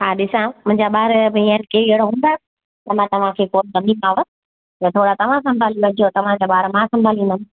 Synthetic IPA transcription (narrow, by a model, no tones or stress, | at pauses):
ɦaːɗɪsãmʊ̃ɦɪ̃ɲd͡ʑaɓaːɾbĩəɾkeːeɦɪɽoɦũːnd̪aː | t̪ɐmãːt̪ɐʋ̤ãkʰeːkoːnzɐmiːmaːʋə | j̪ɐt̪ʰoːɽat̪ɐʋ̤ãsɐ̃mbʱaːliʋɐd͡ʑot̪ɐʋ̤ãd͡ʑaɓaːɾmãsɐ̃mbʱaːlĩːnd̪əm̃